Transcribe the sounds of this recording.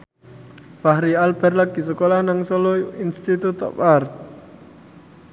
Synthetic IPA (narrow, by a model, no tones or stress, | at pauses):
pahɾialbɛrlak̚ɡ̥i̤səkolahnaŋsɔloinst̪it̪ut̪ɔ̰part̪̚